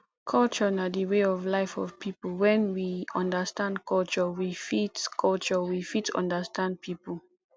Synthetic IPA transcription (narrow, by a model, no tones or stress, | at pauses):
kʰɔlt͡ʃɔnadiweɔvlaɪfɔvpʰipəlwɛ̃nwiãndəstãndkʰɔlt͡ʃɔwifitkʰɔlt͡ʃɔwifitʌ̰̃ndəstãnd̚pʰipə